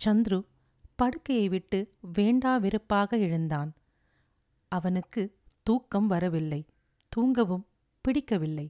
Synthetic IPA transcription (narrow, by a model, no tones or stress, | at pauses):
t͡ʃɐnd̪ɾɯ | pɐɽɯkːɐjɐɪʋɪʈːɯʋeːɳɖaːʋɪɾɯpːaːɣɐɪɻɯnd̪aːn | ɐʋɐnɯkːɯ | t̪uːkːɐmʋɐɾɐʋɪlːɐɪ | t̪uːŋɡɐʋɯm | pɪɽɪkːɐʋɪlːɐɪ